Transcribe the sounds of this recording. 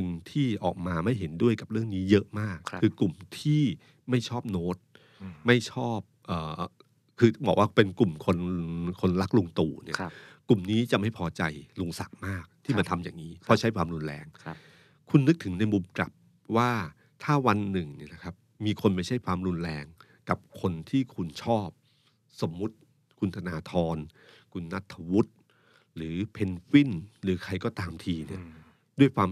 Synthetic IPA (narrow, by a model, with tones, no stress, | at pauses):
ɯ˧ŋt̪ʰiː˥˩ʔɔ̰ː˨˩k̚maː˧ma˥˩jɦe˩˦ndu˥˩əjka˨˩p̚ɾɯ˥˩əŋniː˦˥jɤ˦˥ʔmaː˥˩kʰːɯː˧klu˨˩mt̪ʰiː˥˩ | ma˥˩jt͡ɕʰɔː˥˩p̚noː˦˥t̪̚ | ma˥˩jt͡ɕʰɔː˥˩p̚ʔəː˨˩ | kʰɯː˧bɔː˨˩waː˥˩pe˧nku˨˩mkʰo˧nkʰo˧nla˦˥k̚lu˧ŋt̪uː˨˩nḭ˦˥˩ɐkːu˨˩mniː˦˥t͡ɕa˨˩ma˥˩jpʰɔː˧t͡ɕa˧jlu˧ŋsa̰˨˩k̚maː˥˩k̚t̪ʰiː˥˩ma˧nt̪ʰa˧mjaː˨˩ŋːiː˦˥pʰɔ˦˥t͡ɕʰa˦˥jkʰwaː˧mɾu˧nɾɛ̰ː˧ŋ | kʰu˧nːɯ˦˥k̚t̪ʰɯ˩˦ŋna˧jmu˧mkla̰˨˩p̚ | waː˥˩ | t̪ʰaː˥˩wa˧nːɯ˨˩ŋni˥˩ɐna˦˧kʰa˦˥p̚miː˧kʰo˧nma˥˩jt͡ɕʰa˥˩jkʰwaː˧mɾu˧nɾɛː˧ŋ | ka˨˩p̚kʰo˧nt̪ʰiː˥˩kʰu˧nt͡ɕʰɔː˥˩p̚ | so˩˦mːu˦˥t̪̚ | kʰu˧nt̪ʰa˧naː˧t̪ʰɔː˧nkʰu˧nːa˦˥t̪ʰːa˧wu˦˥t̪̚ | ɾɯː˩˦pʰe˧nfi˥˩nɾɯː˩˦kʰa˧jkɔː˥˩t̪aː˧mt̪ʰiː˧nḭ˥˩ɐ | du˥˩əjkʰwaː˧m